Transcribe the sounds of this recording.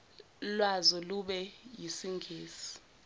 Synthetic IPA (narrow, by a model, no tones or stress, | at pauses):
lwazɔluɓɛjisiŋɡʱeːsi̥